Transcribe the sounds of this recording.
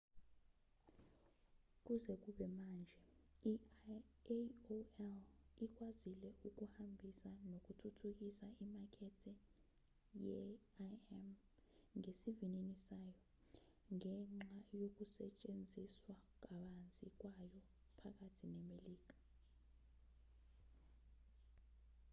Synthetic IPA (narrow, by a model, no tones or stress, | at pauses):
k̬uzɛk̬uɓɛmand͡ʒʱɛi | oɛlik̬ʼwazilɛʔuk̬uhambʱisanok̬ʼutʰutʰuk̬isaimakʰɛtʰɛ | jɛ̰ | ɛm | ŋesivininisajɔ | ŋɛŋ͡ǁajok̬usɛ̰t͡ʃʼend͡zʱiswak̬aɓand͡zʱik̬wajɔ | pʰak̬atʰinɛmeliːk̬a